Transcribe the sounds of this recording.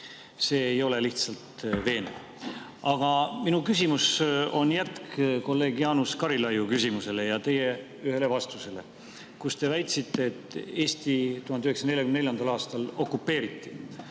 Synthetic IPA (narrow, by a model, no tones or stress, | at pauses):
se̞ːjo̞le̞liht̪sɑlt̪ve̞ːne | ɑɡ̥ɑminukys̬ʲimuso̞njæt̪kko̞lːe̞ːɡjɑːnuskɑɾilɑjukysimuse̞le̞jɑt̪e̞je̞ | yhe̞le̞vɑst̪use̞le̞̰ | kust̪e̞væjt̪sit̪ːe̞ːt̪ːˑe̞ːsʲt̪it̪uhɑnyheksɑne̞lʲjɑkymnlʲjɑnd̪̥ɑlɑːst̪ɑlo̞kːˑupːe̞ːɾit̪ːi